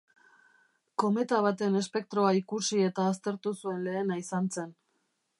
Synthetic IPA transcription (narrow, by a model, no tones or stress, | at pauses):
ko̞me̞t̪aβ̞at̪ene̞spe̞k̚t̪ɾo̞aikusie̞t̪aːs̬t̪e̞ɾt̪usue̞nle̞ːnaisant͡se̞n